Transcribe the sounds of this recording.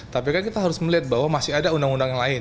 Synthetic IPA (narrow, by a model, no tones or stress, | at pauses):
t̪apikankit̪aɦaɾʊsməliɦat̪̚baɦwamasiadaundaŋundaŋjaŋlaɪn